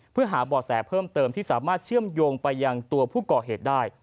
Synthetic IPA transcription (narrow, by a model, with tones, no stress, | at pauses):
pʰɯ˥˩ɐɦaː˩˦bɔː˨˩sɛː˩˦pʰɤː˥˩mt̪ɤː˧mt̪ʰiː˥˩saː˩˦maː˥˩t̪̚t͡ɕʰɯ˥˩əmjoː˧ŋpa˧jːa˧ŋt̪u˧ɐpʰuː˥˩kɔː˨˩ɦeː˨˩t̪̚daː˥˩j